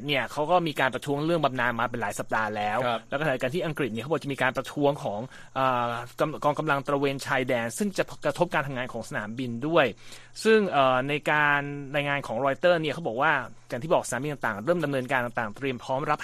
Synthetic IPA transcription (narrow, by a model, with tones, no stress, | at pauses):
t̪̚ni˥˩əkʰa˦˥wkɔː˥˩miː˧kaː˧npɾa˧t̪ʰu˦˥əŋɾɯ˥˩əŋba˧mnaː˧nmaː˧pe˧nlaː˩˦jsa˨˩p̚daː˧lɛː˦˥wlɛː˦˥wkʰːa˧t̪ʰiː˥˩ʔa˧ŋkɾi˨˩t̪̚ni˥˩kʰbɔː˨˩t͡ɕa˨˩miː˧kaː˧npɾa˧t̪ʰu˦˥əŋkʰɔː˩˦ŋ | ʔɤː˨˩ka˧kɔː˧ŋka˧mla˧ŋt̪ɾa˧weː˧nt͡ɕʰaː˧jdɛː˧nsɯ˥˩ŋt͡ɕa˨˩kɾa˧t̪ʰo˦˥p̚kaː˧nt̪ʰŋaː˧nkʰɔː˩˦ŋsa˧na̰ː˩˦mbi˧ndu˥˩əj | sɯ˥˩ŋʔɤː˨˩na˧jkaː˧nɾaː˧jŋaː˧nkʰɔː˩˦ŋɾɔː˧jt̪ɤː˥˩ni˥˩kʰa˦˥wbɔː˨˩kwaː˥˩ | ja˨˩t̪ʰiː˥˩bɔː˨˩ksa˧aː˨˦mi˧nt̪a˨˩t̪aː˨˩ŋɾɤː˥˩mda˧mnɤː˧nkaː˧nt̪a˨˩ŋt̪aː˨˩ŋt̪ɾi˧əmpʰɾɔː˦˥mɾa˦˥p̚